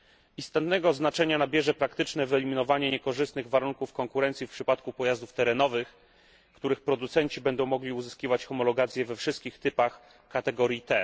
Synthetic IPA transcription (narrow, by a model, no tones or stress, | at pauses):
ist̪ɔt̪nɛɡɔznat͡ʂɛɲanabʲjɛʐɛpɾakt̪ɘt͡ʂnɛvɛlʲimʲinɔvaɲɛɲɛkɔʐɘst̪nɘɣvaɾuŋkufkɔŋkuɾɛnt̪sʲifpʂɘpat̪̚kupɔjazd̪uft̪ɛɾɛnɔvɘx | kt̪uɾɘxpɾɔd̪ut̪sɛnt͡ɕibɛnd̪ɔ̃w̃mɔɡlʲiuzɘskʲivat͡ɕxɔmɔlɔɡat̪sʲjɛvɛfʂɘst̪kʲixt̪ɘpax | kat̪ɛɡɔɾʲjit̪ɛ